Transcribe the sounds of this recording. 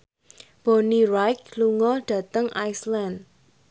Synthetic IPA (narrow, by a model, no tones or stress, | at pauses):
b̥onirajk̚luŋɔɖ̥ä̤t̪əŋʔajsland